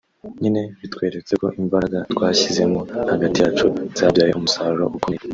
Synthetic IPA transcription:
ɲine̞βitkwe̞ːɾe̞t͡se̞ko̞̰ʔimbaɾaɡatwaːçize̞mohaɡatijaːt͡ʃuz̥abjaːjeʔumusaɾuɾo̰ʔukuni

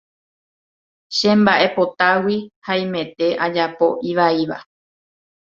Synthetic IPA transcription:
ʃẽ̞mbaʔe̞po̞t̪awihaĩmẽ̞t̪e̞ʔad͡ʒapo̞ʔiʋaiʋa̰

